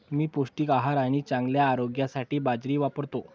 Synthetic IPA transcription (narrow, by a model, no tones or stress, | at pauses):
miːpuʂʈiːkaɦaɾaɽ̃it͡sãŋɡljaːɾoɡjasaʈiːbad͡zɾiːʋapəɽt̪o